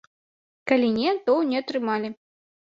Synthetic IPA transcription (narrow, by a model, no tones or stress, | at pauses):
kalʲinʲɛt̪ɔwnʲɛɐt̪ɾɨmalʲi